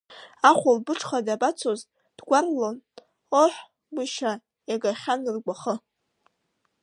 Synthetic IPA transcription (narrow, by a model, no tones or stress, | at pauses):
aχʷʊlbɨʈ͡ʂʰʼχadabat͡sʰoz | d̥ɡʷarlon | oħʷ | wiʃa | jaɡaχʲanɨrɡʷaχə